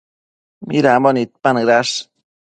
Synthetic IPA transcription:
miɾamonit̪̚panɨɾas

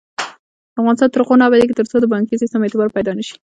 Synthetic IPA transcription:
afɣɑnɪst̪ɑnt̪əɾqonɑbad̪ek̬et̪əɾt͡sod̪əbɑŋkisist̪əmet̪ɪbɑɾpajd̪ɑnəʃi̥

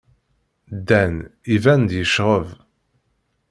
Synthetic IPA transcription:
d̪ænivænd̪jəʃʁəv

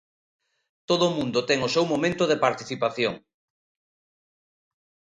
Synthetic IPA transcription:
t̪oðʊmũnd̪ʊt̪ɛŋʊsewmomẽnt̪ʊðepaɾt̪iθipaθjoŋ

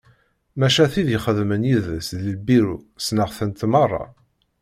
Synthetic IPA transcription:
mæʃæθiðjəχəðmənjiðəsðləbiɾusnəʁθənt̪mɑrˤːɑ̰

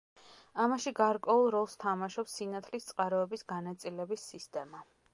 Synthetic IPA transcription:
amaʃiɡaɾkʼwɛulˠɾɔlˠst̪ʰamaʃɔpsinat̪sʰlist̪sʼqʼaɾɔɛbisɡanat̪sʼilɛbisːist̪ʼɛma

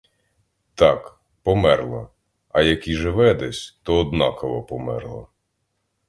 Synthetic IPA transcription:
t̪ɑk | pɔmɛrlˠɐ | ɐjɐkʲiʒɪʋɛd̪ɛsʲt̪ɔːd̪nɑkɔʋɔpɔmɛ̰rlˠɐ̰

